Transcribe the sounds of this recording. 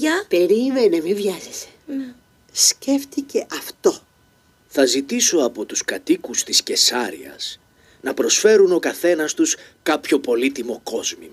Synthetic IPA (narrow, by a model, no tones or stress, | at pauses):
ɐpeɾimenemivʝɐzese̥ | sce̞ft̪ice̞ʔɐft̪o̞ | θɐzit̪iso̞ɐpo̞t̪uskɐt̪ikust̪isce̞sɐɾḭɐ̰s | nɐpɾo̞sfe̞ɾuno̞kɐθe̞nɐst̪uskɐpço̞po̞lit̪imo̞ko̞zmḭ